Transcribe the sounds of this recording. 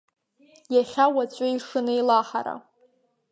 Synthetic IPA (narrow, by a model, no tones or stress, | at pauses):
jaχʲawat͡ɕʷʼaiʂɨnɨilaħa̰ɾa̰